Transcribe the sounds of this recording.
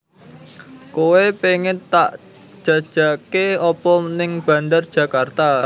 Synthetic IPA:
kowepeŋɪt̪ːaʔ | d̥ʒ̥ä̤d̥ʒ̥ä̤keɔpɔnɪŋb̥ä̤nd̪ard̥ʒ̥ä̤kart̪a

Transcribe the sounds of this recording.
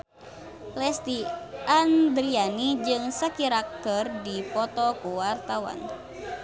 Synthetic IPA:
lɛst̪iʔand̪ɾianid͡ʒɨŋsakiɾak̚t̪ɔrdipɔt̪ɔkuwart̪awa̰n

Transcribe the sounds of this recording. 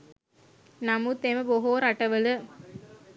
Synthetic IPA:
namut̪emɐboɦoːɾaʈɐʋəlɯ

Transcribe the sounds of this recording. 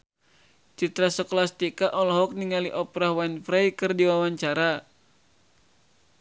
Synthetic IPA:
t͡ʃit̪ɾasɔklast̪ikaʔɔlɔɦɔk̚niŋaliʔɔpɾahwanfɾajkɨrdiwawaɲt͡ʃaɾa

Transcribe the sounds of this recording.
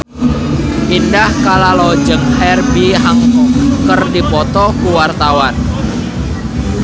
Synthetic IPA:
ʔindahkalalo̥d͡ʒəŋhɛrbiɦaŋukərdipɔt̪ɔkuwart̪awan

